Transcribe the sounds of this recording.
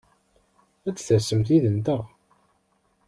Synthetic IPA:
æt͡sːθəɾsəmθiðənt̪əʁ

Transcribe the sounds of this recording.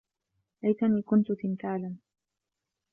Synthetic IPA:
ʔajt̪aniːkʊnt̪ʊt̪ɪnt̪aːlan

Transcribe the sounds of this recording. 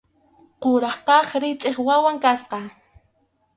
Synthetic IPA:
qʊɾɑχqɑχɾɪt͡sʼeχwawaŋkasqɑ

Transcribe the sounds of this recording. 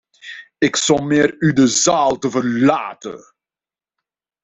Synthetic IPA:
ɪksɔlˠmeːɾydəzaːlˠtəvərlaːtə̰

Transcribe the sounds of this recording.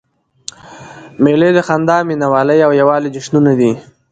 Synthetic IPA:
meled̪əxand̪ɑminawɑləjawjawɑled͡ʒɪʃnunad̪i

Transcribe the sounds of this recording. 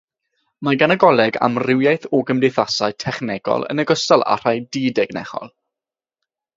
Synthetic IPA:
maɡanaɡɔlˠɛɡa̰mrɪwjajθɔɡəmdɪjθasaɨtʰɛχnɛɡɔ̰lˠə̰nəɡɔstalˠa̰r̥ajdiːdɛɡnɛ̰χɔ̰lˠ

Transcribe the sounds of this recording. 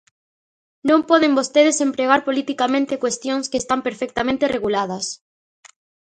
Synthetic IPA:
nõmpɔðembost̪eðesempɾeɣ̞aɾpolit̪ikamẽnt̪ekwest̪jõŋskest̪ampeɾfɛk̚t̪amẽnt̪ereɣulað̞ɐs

